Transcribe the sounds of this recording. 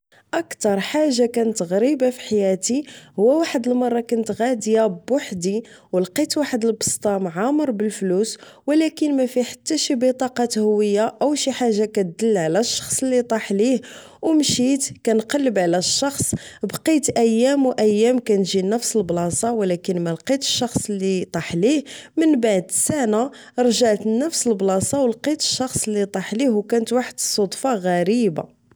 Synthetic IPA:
ʔəkt̪ɑɾˤħaʒːakænət̪ɣɾibafi̥ħajæt̪ihʊwːæwaħəd̪əlmɑrˤːɑkʊnt̪ɣæd̪jabʊħd̪i | wlqit̪waħəd̪əlbə̥st̪ˤɑmʕaməɾˤbəlfluswlækənmæfiħḁt̪ːæʃibət̪ˤɑqɑt̪hʊwəjːaʔæwʃiħaʒːakæt̪̚d̪əlːʕlæʃːɑ̥xsˤəlːit̪ˤɑħlih | wmʃit̪kænqɑlːəbʕlæʃːɑxsˤbqit̪ʔæjːæmwʔæjːæmkænʒinəfsəlblɑsˤɑwlækənmælqit̪ə̥ʃːɑxsˤlːit̪ˤɑħlihmənbaʕd̪sæna | ɾˤʒaʕt̪nəfsəlblɑsˤɑwlqit̪ə̥ʃːɑxsˤlːit̪ˤɑħlihwkænət̪waħəd̪sˤod̪ˤfɑɣæɾiba̰

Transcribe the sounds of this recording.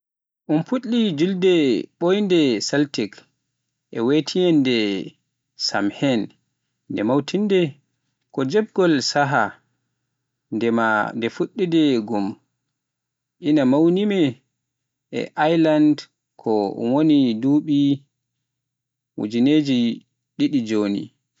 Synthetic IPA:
ʔunfuɗːid͡ʒuldɛɓojndɛsaltɛk | ʔɛwetʰijɛndɛ | sa̰mhɛnː | dɛmawtʰindɛ | kɔd͡ʒɛb̚ɡɔlsaɦa | ndɛmandɛfuɗːidɛɡum | ʔinamawnimɛ | ɛ̰ʔajland | kʰɔwoniduːɓi | wṵd͡ʒineːd͡ʒi | ɗiɗid͡ʒonḭ

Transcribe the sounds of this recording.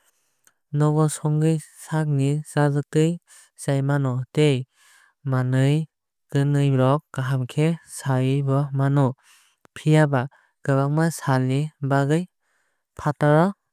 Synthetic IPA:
nɔbɔsɔŋɡɯj | sak̚nisazɯk̚tɯj | sajmanɔtej | manɯj | ɡ̥ɯnɯjbɾɔkɡaɦamkʰesajɯbɔmanɔ | pʰijaba | ɡ̥ɯβaŋ̚masalibaɡɯj | pʰataɾɔ

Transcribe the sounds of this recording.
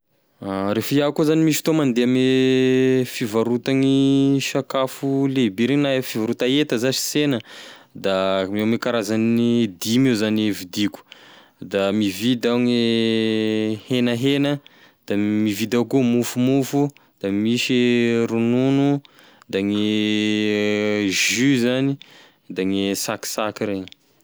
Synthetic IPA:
aɾefiakuzanimiʃi̥t̪omand̪eam | fivaɾut̪aŋiʃakafulebiɾinaefivaɾut̪aet̪əzaʃi̥senəd̪amawmikaɾazanid̪imiwzanivid̪iku̥ | d̪amivid̪awŋe | henəɦenə | d̪̥amivid̪akumufumufu | d̪̥amiʃiɾununu | d̪aŋe | ʒyzani | d̪aŋesaki̥sakiɾe

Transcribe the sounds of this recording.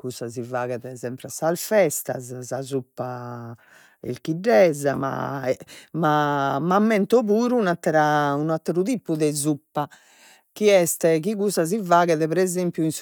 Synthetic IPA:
kusːazivaːɣɛðɛzɛmpɾasalfɛst̪a̰zsazupːa | ḛlk̟iɖːɛzama̰ɛmamamːɛnt̪ɔβuːɾunat̪ːɾaunat̪ɾuðiːpuðɛzupːa | kiɛst̪ɛkiɣusaz̬ivaːɣɛðɛpɛɾɛzempjuins

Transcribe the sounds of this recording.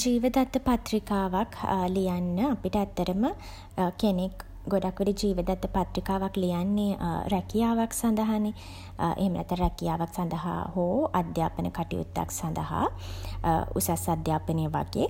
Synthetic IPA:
d͡ʒiːʋəd̪at̪ːəpat̪ɾikaːʋakʰlijanːəapiʈəat̪ːəɾəmə | kenek | ɡoɖakʋeɖid͡ʒiːʋəd̪at̪ːəpat̪ɾikaːʋaklijanːeɾɛkijaːʋaksand̪əɦane | ʔḛɦemənɛ̰t̪ːəɾɾɛkijaːʋaksand̪əɦa̰hoːad̪jaːpənə̰kaʈḭjṵt̪ːa̰ksand̪əɦa̰ | ṵsasad̪jaːpəneʋa̰ɡḛ

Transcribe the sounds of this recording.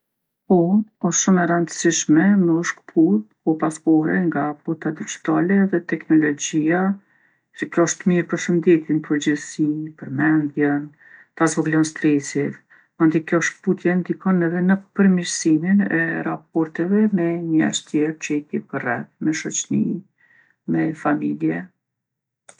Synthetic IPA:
ɔɔsʃumɛɾənd̪əsiʃmɛməɔʃkə̥pʰut̪̚pɔpaspɔɾɛŋɡaput̪ad̪id͡ʒi̥t̪alɛðɛt̪ɛknɔlɔd͡ʑia | səkɾɔʃt̪miɾpəɾʃənd̪ɛt̪inpʰəɾd͡ʑəðsipəɾmɛnd̪jɛn | t̪azvɔɡlɔnst̪ɾɛsɛ | and̪ikjɔʃkput̪jɛnd̪ikɔnɛvɛnəpəɾmiɾsiminɛ̰ɾap̚ɔɾt̪ɛvɛmɛɲɛ̰ʃt̪jɛɾt͡ʃɛt̪jɛpərɛθmɛʃɔt͡ɕni | mɛfamiljɛ

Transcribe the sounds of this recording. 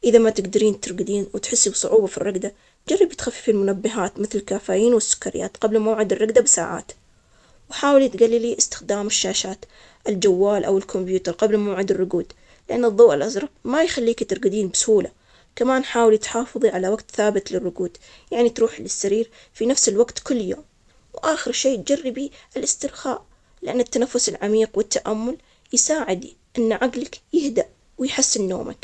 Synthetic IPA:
ʔɪðamat̪ɪɡd̪aɾiːnt̪ɪɾˤɡɪd̪iːnwɪt̪ħɪsːibsˤʊʕuːbafirːɑɡd̪a | d͡ʒarˤːɑbt̪xafːi̥filmʊnabːɪɦaːt̪mɪθlɪlkafaːjiːnwɪsːʊ̥kːaɾɪja̰ːt̪qɑblmawʕɪd̪ɪrˤːɑɡd̪abɪsa̰ːʕa̰ːt̪ | wɪħaːwɪlit̪ɡalːiliʔɪst̪ɪ̥xd̪aːmɪʃːaːʃaːt̪ | ʔɪld͡ʒawːaːlʔa̰wɪlkʰʊmbjuːt̪ɑɾˤqɑblmawʕɪd̪ɪrˤːʊɡuːd̪ | lɪʔanːɨðˤːoːʔalʔazɾˤɑbmajxalːiːkt̪ɪɾɡɪd̪iːnbɪsʊhuːla | kamaːnħaːwɪlit̪ħɑːfɨðˤiʕalawaɡt̪θaːbɪt̪lɪrːʊɡuːd̪̥ | jaʕnit̪ɾuːħlɪsːaɾiːɾ | finafsɪlwaɡt̪kʊlːjo̰ːm | wʔaːxɪɾʃeːt̪̚d͡ʒarːɪbiʔɪlʔɪst̪ɪɾxa̰ːʔ | lɪʔanːɪt̪ːanafːʊsɪlʕamiːqwɪt̪ːaʔamːʊl | jsaːʕɪd̪ | ʔɪnːʕaɡlakjɪhd̪aʔ | wɪjħɪsːɪnːo̰ːmʔa̰k

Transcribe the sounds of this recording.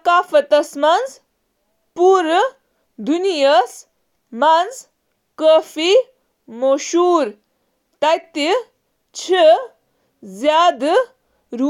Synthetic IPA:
kaːfɐt̪ɐsmɐnd͡z | puɾ | d̪unijɐs | mɐnd͡z | kəfi | moʃuːɾ | t̪ɐjt̪i | t͡ʃʰi | zjaːd̪ | ɾu

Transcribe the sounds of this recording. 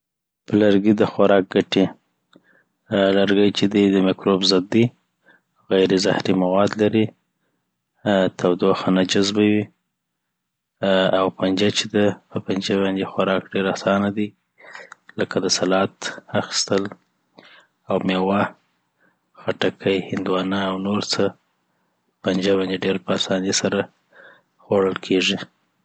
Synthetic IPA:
pəlaɾɡid̪əxaɾɑk̚ɡaʈi | laɾɡəjt͡ʃed̪id̪əmɪkɾobzad̪ːi | ɣajɾeza̰hɾimawɑd̪laɾi | t̪ʰawd̪oxanad͡ʒazbawi | awpand͡ʒat͡ʃed̪apəpand͡ʒaβɑnd̪exaɾɑkɖeɾasɑnad̪i | ləkad̪əsalɑt̪axi̥st̪əl | awmewa | xaʈakʰəjhɪnd̪wɑnaːwnoɾt͡sə | pand͡ʒaβɑnd̪eɖeɾpəasɑnesaɾa | xwaɽəlkʰeʐi

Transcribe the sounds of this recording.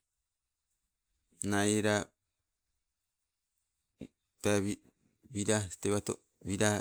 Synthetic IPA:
naiɾa | t̪aβi | βiɾasi̥t̪eβat̪o̰ | βiɾa

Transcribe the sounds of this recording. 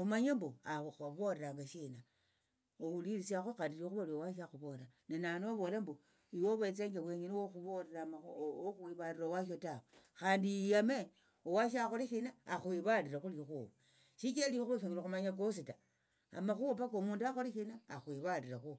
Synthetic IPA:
umaɲamboaaβoɾeɾaŋɡaʃina | owuliɾisiaxoxaːndiloxuβoliowaʃ̬axuβo̞lanenanoaβo̞lembo | iwoβwet͡seŋɡeβweɲiniwoxuβoɾeamaoxuwiβaɾiɾowaʃotawexaːndijame | owaʃ̬axoliʃinaːxwiβaɾiɾaxulixuβu | ʃikialioxuβafiɲiloxumaɲak̬osita | a̰maxuopakomuːnduaxoliʃinaːxwiβaɾiɾaxu

